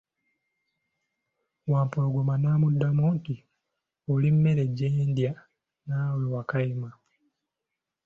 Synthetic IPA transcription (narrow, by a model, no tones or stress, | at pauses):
waːmpoloɡomanaːmudːamonti | olimːe̞ɾe̞ɟːeːndja | naːwulowakaima